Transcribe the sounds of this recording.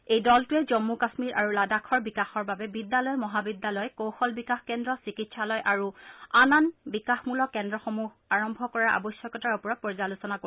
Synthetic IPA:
ejdɔltuɛzɔmːukasmiɹʔaɹuladakʰɔɹbikaxɔɹbabɛbidːalɔjmɔɦabidːalɔjkowxɔlbikaxkɛndɹɔsikitsalɔjʔaɹuananbikaxmulɔkɛndɹɔxomuɦaɹɔmbʱɔkɔɹaʔa̰bɔsjɔkɔtaɹupɔɹɔt̚pɔɹzalusɔnako

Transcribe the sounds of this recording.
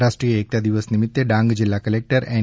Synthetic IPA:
ɾasʈɾijeek̚t̪ad̪iʋəsnimit̪ːeɖãŋɡd͡ʑilːakəlek̚ʈəɾɛ

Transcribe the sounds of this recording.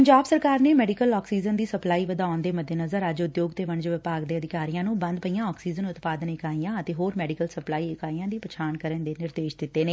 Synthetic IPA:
pəɲd͡ʒaːbsəɾkaːɾneːmɛːɖɪkəlɔːksiːzənd̪iːsəplaːiːʋəd̪aːʊnd̪eːməd̪ʱeːnəzəɾəd͡ʒʊd̪joːɡt̪eːʋəɳd͡ʒʋɪpaːɡd̪eːəd̪ɪkaːɾijãːnũːbənd̪pəijãːɔːksiːzənʊt̪paːd̪ənɪkaːijãːət̪eːɦoːɾmɛːɖɪkəlsəplaːiːɪkaːiːãːd̪iːpət͡ʃʰaːnkəɾənd̪eːnɪɾd̪eːʃd̪ɪt̪ːeːneː

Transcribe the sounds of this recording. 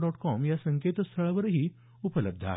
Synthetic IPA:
ɖɔʈkɔmjasəŋket̪st̪ʰəɭaʋəɾɦiː | upələb̚d̪ʱa̰

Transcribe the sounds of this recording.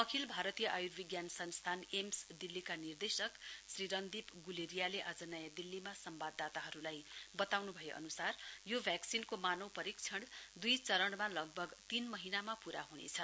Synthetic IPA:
ʌkʰilbʱaɾʌt̪ijʌʔajurbʱiɡjansʌnst̪ʰanemsd̪ilːikanird̪esʌksriɾʌnd̪ipɡuleɾijaleʔad͡zʌnajad̪ilːimasʌmbad̪ːat̪aɦʌɾulajbʌt̪awnubʱʌjeʔʌ̰nusarjobʱjaksinkomanʌwpʌɾik̚t͡sʰʌɽd̪ujt͡sʌɾʌɽmalʌɡ̚bʱʌɡt̪inmʌɦinamapuɾa̰ɦunḛt͡sʰʌ

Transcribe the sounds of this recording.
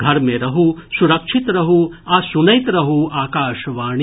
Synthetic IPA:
ɡʱɐɾmeɾɐɦusuɾɐkʂʰit̪ɾɐɦu | aːsunɐjt̪ɾɐɦuaːkaːʃɐʋaːɳ̃i

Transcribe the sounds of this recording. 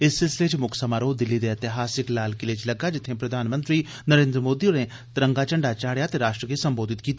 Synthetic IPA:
ɪsːɪlsɪleːt͡ʃmʊkʰsəmaːɾoːd̪ɪlːid̪eət̪ɪɦaːsɪklaːlkɪleːt͡ʃləɡːad͡ʒɪt̪ʰːẽpɾəd̪ʱaːnmə̃nt̪ɾiː | nəɾẽːnd̪ɾəmoːd̪ione | t̪ɾə̃ŋɡaːt͡ʃəɳɖat͡ʃaːɽjat̪eɾaːʃʈɾəkisə̃mboːd̪ʱɪt̪kiːt̪

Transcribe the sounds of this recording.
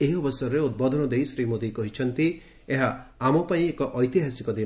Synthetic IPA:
eɦiɔbɔsɔɾɔɾeut̪̚bɔd̪ʱɔnɔd̪ejsɾimod̪ikɔɦit͡ʃʰɔnt̪i | eɦaːmɔpaĩekɔʔɔjt̪iɦasikɔd̪i

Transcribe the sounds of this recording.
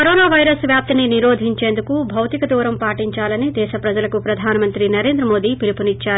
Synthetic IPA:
kɐɾoːnaːʋɐjɾɐsʋjaːp̚t̪ɐniniɾoːd̪ʱiɲt͡ʃe̞ːnd̪ukubʱɐwt̪ikɐd̪uːɾɐmpaːʈiɲt͡ʃaːlɐnid̪ɛːʃɐpɾɐd͡ʒɐlɐkupɾɐd̪ʱaːnɐmɐnt̪ɾinɐɾe̞ːnd̪ɾɐmo̞ːd̪iːpilipunit͡ʃːaːɾu

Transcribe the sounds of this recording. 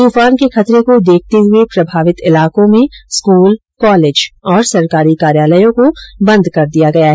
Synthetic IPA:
t̪uːfaːnkexɐt̪ɾekod̪eːk̚ʰt̪eɦʊepɾɐbʱaːʋɪt̪ɪlaːkõmẽskuːl | kɔːleːd͡ʒɔːɾsɐɾkaːɾikaːɾjaːləjõkobɐ̃nd̪ʱkɐɾd̪ijaɡɐjaɦɛ

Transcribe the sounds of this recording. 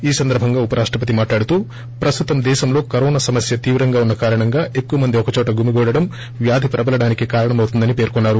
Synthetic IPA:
iːsɐnd̪ɐɾbʱɐŋɡaːupɐɾaːʂʈɾɐp̬ɐt̪imaːʈlaːɽut̪uː | pɾɐst̪ut̪ɐmd̪ɛːʃɐmlo̞ːkɐɾɔːnasɐmɐsjɐt̪iːʋɾɐŋɡaːunːɐkaːɾɐɳɐŋɡaːʔekːuʋɐmɐnd̪iɔkɐt͡ʃɔːʈɐɡumiɡɔːɽɐɽɐm | ʋjaːd̪ʱipɾɐbɐlɐɽaːnikikaːɾɐɳɐmɐwt̪und̪ɐnipe̞ːɾkɔnːaːɾu

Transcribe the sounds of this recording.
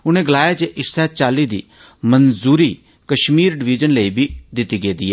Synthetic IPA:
ʊnẽːɡəlaːjaːt͡ʃeʔɪssɛːt͡ʃaːliːd̪ḭː | mənzuːɾiː | kəʃmiːɾɖɪʋɪd͡ʒənləiːbʱiːd̪ɪt̪ːiːɡeːd̪iːɛː

